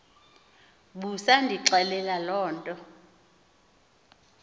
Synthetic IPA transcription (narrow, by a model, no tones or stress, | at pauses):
ɓusandʱiǁɛlɛlalɔːntʼɔ